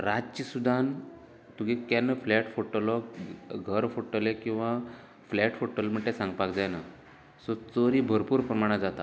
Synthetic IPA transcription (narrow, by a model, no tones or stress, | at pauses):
ɾad͡zt͡ɕisud̪ʱan | t̪uɡekɛnːəflɛʈfoʈəlɔɡʱəɾfoʈəlekĩw̃ʋa | flɛʈfoʈːəlm̤əɳʈːesãŋɡpakd͡zajna | sɔt͡soɾibʱəɾpuːɾpɾəmaɽ̃ad͡zat̪a